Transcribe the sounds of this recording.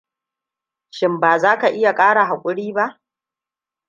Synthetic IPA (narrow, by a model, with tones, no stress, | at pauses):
ʃɪ˦mbaː˨zaː˦ka˨ʔɪ˦ja˨kʼaː˦ɽa˨ɦa˨kʷʼʊ˦ɽiː˦ba˦ʔ